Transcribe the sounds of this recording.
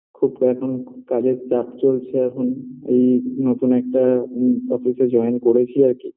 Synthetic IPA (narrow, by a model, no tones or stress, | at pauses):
kʰubkaakʰɔnkazezapt͡ʃolt͡ʃʰɛakʰɔnḛjnot̪unɛk̚taɔpʰisɛzɔjnkoɹet͡ʃʰiaɹki